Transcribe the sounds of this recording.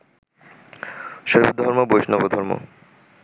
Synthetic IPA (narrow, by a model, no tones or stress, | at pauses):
ʃoɦḭb̚d̪ʱɔɾmobojʃnɔbod̪ʱɔɾmo̰